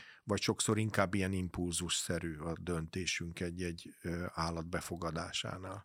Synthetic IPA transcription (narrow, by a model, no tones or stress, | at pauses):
vɒcʃo̞kso̞ɾiŋkaːbːijɛnimpulzuʃsɛɾyːɒd̪ø̞nt̪eːʃyŋkɛɟːɛɟːaːlːɒd̪̚bɛfo̞ɡɒd̪aːʃa̰ːnaːl